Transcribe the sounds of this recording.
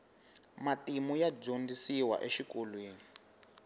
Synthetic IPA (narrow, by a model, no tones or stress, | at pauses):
matimujab͡ʐondisiwa̰ʔeʃikolwiːni